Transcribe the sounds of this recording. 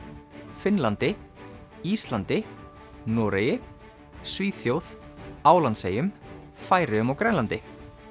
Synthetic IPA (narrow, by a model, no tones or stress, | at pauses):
fɪnlant̪ɪ | ist̪lant̪ɪ | nɔːɾejɪ | sviːθjowθaːwlansejʏm | faːjɾɪʏmawkɾɛnlant̪ɪ